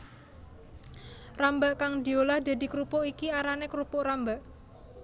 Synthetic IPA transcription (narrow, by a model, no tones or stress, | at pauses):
rambaʔkaŋd̪i̤olahd̪̥a̤d̪i̤kɾupoʔikiaɾanekɾupoʔrambaʔ